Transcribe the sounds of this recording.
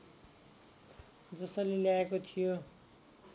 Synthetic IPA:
d͡zʌsʌleljaekot̪ʰijo

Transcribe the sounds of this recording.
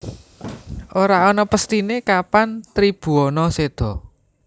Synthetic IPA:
ʔoɾaɔnɔpəst̪inekapant̪ɾib̥ṳɔnɔsed̪̥ɔ̤

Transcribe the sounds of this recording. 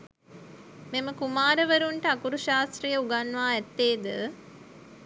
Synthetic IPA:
meməkumaːɾəʋəɾuɳʈəakuɾuʃaːst̪ɾijəuɡanːʋaːɛt̪ːeːd̪ə

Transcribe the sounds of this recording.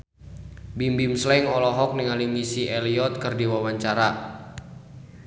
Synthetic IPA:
bimbimslɛŋɔlɔɦɔk̚niŋalimisiʔɛliɔt̪̚kɨrdiwawaɲt͡ʃaɾa

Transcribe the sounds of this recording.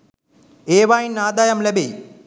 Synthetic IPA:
eːʋaːjinːaːd̪aːjɐmlɛbeː

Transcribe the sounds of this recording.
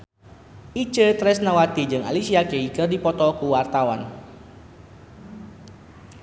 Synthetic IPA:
ʔit͡ʃət̪ɾɛsnawat̪id͡ʒɨŋa̰lisiakeikərdipɔt̪ɔkuwart̪awan

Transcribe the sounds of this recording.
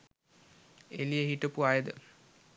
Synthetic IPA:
elijeɦiʈəpuajəd̪ə̰

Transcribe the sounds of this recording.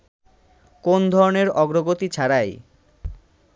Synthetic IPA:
kond̪ʱɔɾoneɾɔɡɾoɡot̪it͡ɕʰaɾaj

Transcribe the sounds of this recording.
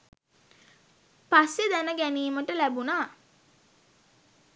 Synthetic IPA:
pasːed̪ænəɡæniːməʈəlæbunaː

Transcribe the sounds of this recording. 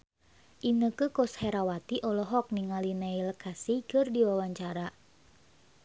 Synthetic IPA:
ʔinəkəkɔshɛɾawat̪iʔɔlɔɦɔk̚niŋalinailkasikɨrdiwawaɲt͡ʃaɾa

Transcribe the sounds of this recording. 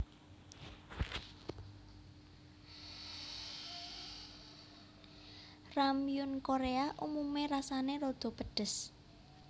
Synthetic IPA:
ramiʊnkoɾeaʔumumeɾasaneɾod̪̥ɔ̤pəɖ̥ə̤s

